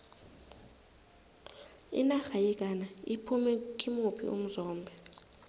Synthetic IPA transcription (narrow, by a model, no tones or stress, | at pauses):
ḭnaxajɛkʼanaipʰumɛkʼimupʰḭʔṵm̩zɔːmbʱɛ